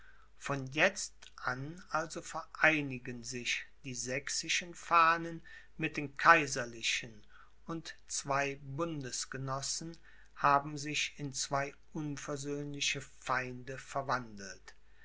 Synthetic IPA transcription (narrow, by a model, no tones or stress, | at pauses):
fɔnjɛt͡stʔanʔalzofɛɐʔaɪnɪɡənzɪçd̥iːzɛksɪʃənfaːnən | mɪt̚d̥eːnkʰaɪzɐlɪʃən | ʊntt͡sv̥aɪbʊndəsɡ̥ənɔsn̩ | haːbm̩zɪçɪnt͡sv̥aɪʔʊnfɛɐzøːnlɪçəfaɪndəfɛɐvandl̩t